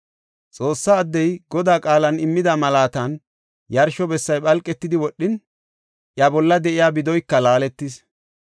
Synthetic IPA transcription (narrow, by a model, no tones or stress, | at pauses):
t͡sʼo̞ːsːaːd̪ːɛjɡɔd̪aːkʼaːlɐnɪmːɪd̪ɐmɐlaːt̪ɐn | jɐɾʃɔbɛsːɐjɓɐlkʼːɛt̪ːɪd̪ɪwɔɗːɪn | ʔjɐbɔlːɐd̪ɛʔɪjaːbɪd̪ɔjkːɐlaːlɛt̪ːɪs